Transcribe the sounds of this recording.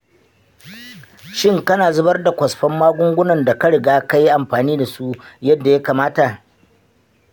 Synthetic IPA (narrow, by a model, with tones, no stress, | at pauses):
ʃɪ˦ŋkɐ˦naː˨zʊ˦bɐ˦rda˨kʷɐ˨sɸɐ˦mːaː˦ɡʷʊ˦ŋɡʷʊ˦nɐ˨nda˨kɐ˦ɽɪ˨ɡaː˦ka˦ji˦ʔa˨mɸaː˨niː˦da˨su˦jɐ˦dːa˨ja˦kaː˨maː˦ta˨